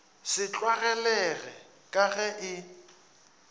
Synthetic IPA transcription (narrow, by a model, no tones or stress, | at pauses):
sɪt͡ɬʼwaɣɛlɛɣɛ | kʼaɣɛʔɪ